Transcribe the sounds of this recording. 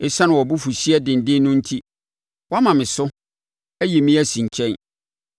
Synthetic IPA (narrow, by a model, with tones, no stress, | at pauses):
ɪ˨sa˦nʊ̃˨wɔ˨bu˦fu˨ɕi˦ɛ˦dɪ̃˨n˨dɪ̃˦nʊ̃˦n̩˦tʰi˦ | wmã˨mɪ̃˨sʊ˦ | æ˦ji˨mĩ˦æ˦sĩ˨ɲ˨t͡ɕʰɛ̃˦n